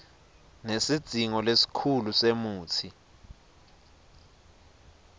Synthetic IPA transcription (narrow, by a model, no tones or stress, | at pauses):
nesid̥z̥ʱiŋɔlesi̥kʰulusemuːt͡sʰi